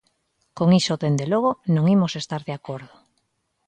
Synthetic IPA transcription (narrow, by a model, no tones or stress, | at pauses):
koŋisot̪end̪eloɣ̞onõŋimosest̪aɾðeakoɾðo̥